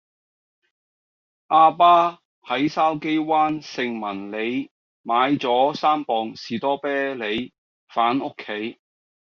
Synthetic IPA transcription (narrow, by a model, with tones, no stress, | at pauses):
ʔaː˧paː˥ | hɐ˨˥jsaː˥wke˥jwaː˥nsɪ˨˧ŋmɐ˨˩nle˨˧j | maː˨˧jt͡sɔː˨˥saː˥mpɔː˨ŋsiː˨˩t̪ɔː˥pɛː˥le˨˧j | faː˨˥nʊ˥kʰːe˨˥j